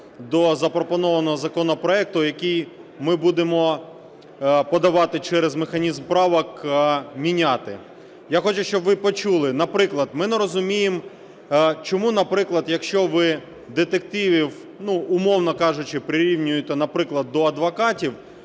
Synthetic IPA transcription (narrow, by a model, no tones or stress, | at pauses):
d̪ɔzɐpɾɔpɔnɔʋɐnɔɦɔzɐkɔnɔpɾɔɛk̚t̪ʊjɐkʲij | mɪbud̪emɔ | pɔd̪ɐʋɑt̪ɪt͡ʃɛɾɛzmexɐnʲizmpɾɑʋɐkmʲinʲɑt̪ɪ | jaxɔt͡ʃʊʃt͡ʃɔbʋɪpɔt͡ʃulˠɪnɐpɾɪklˠɐd̪mɪnɛɾɔzʊmʲijem | t͡ʃɔmunɐpɾɪklˠɐd̪jɐkʃt͡ʃɔʋɪ | d̪et̪ek̚t̪iʋʲiw | nuʊmɔwnɔkɑʒʊt͡ʃɪpɾɪɾʲiwnʲʊjʊt̪ʲɐnɐpɾɪklˠɐd̪ːɔɐd̪ʋɔkɑtʲiw